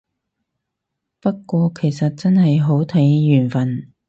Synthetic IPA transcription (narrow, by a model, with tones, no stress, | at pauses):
pɐ˥kkːʷɔː˧kʰe˨˩jsɐ˨t̚t͡sɐ˥nhɐ˨jɦo˨˥wt̪ʰɐ˨˥jːyː˨˩nfɐ˨n